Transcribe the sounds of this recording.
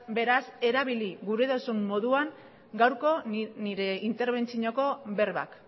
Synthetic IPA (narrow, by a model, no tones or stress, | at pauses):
be̞ɾase̞ɾaβiliɡuɾeðosumːo̞ðuaŋ | ɡawɾko̞niɾe̞int̪e̞ɾβ̞e̞nt͡siɲoko̞be̞ɾβa̰k